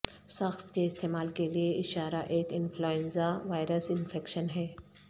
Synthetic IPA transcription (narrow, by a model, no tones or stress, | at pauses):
sɐxt̪keɪst̪eːmaːlkelieɪʃaːɾaʔeːkɪnfʰloːẽnzaʋaːɪɾəsɪnfeːkʃənɦɛː